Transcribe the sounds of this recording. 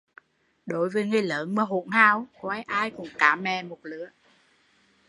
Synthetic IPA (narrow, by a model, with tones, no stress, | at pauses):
ɗo˨˦jvəː˨˦jŋɨ˨˧˩jləː˨˦nmɨː˧˦ɦṵ˧˨nhaː˧wkːa˨˧˦jʔaː˧jkʊ̰˨˧˩ŋ͡mkaː˨˦mɛ˨˩mo˨˩t̚lɨ̰˧˦˥ə